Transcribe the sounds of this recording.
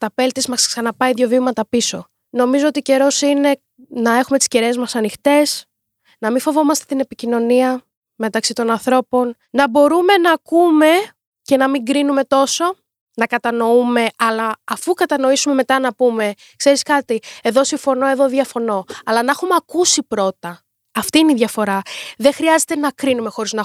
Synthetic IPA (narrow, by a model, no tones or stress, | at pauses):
t̪ɐpe̞lt̪izmɐsksɐnɐpɐiðʝjo̞vimɐt̪ɐpiso̞ | no̞mizoot̪ice̞ɾo̞sine̞ | nɐe̞xume̞t̪i̥sceɾe̞zmɐsɐnixt̪e̞s | nɐmifo̞vo̞mɐst̪e̞t̪ine̞picino̞niɐ | me̞t̪ɐksit̪o̞nɐnθɾo̞po̞n | nɐbo̞ɾume̞nɐːkume̞ | ce̞nɐmiŋɡɾinume̞t̪o̞so̞ | nɐkɐt̪ɐno̞ume̞ɐlɐːfukɐt̪ɐno̞isume̞me̞t̪ɐnɐpume̞ | kse̞ɾiskɐt̪ieðo̞siɱfo̞no̞e̞ðo̞ðʝɐfo̞no̞ɐlɐnɐexumeɐkusipɾo̞t̪ɐː | ft̪iːiniðʝɐfo̞ɾɐðexɾiɐze̞t̪e̞nɐkɾinume̞xo̞ɾiznɐ